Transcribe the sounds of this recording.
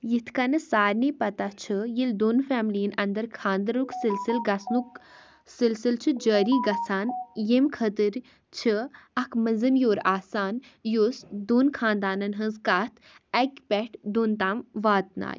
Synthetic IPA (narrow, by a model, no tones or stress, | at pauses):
jit̪ʰkɐnɨsaːɾnipɐt̪at͡ʃʰɨjild̪oːnfɛːmliənɐnd̪ɐɾkʰãːnd̪əɾuksilsilɡɐsnu | silsilt͡ʃʰɨd͡ʒəːɾiːɡɐsaːnjemkʰət̪ɨɾ | t͡ʃʰɨɐkʰmɐzɨmjoːɾaːsaːn | josd̪oːnkʰãːnd̪aːnɐnɦɐ̃nzkaːt̪ʰ | ɐkʲpɛʈʰd̪uːnt̪aːmʋaːt̪̚na̰ːj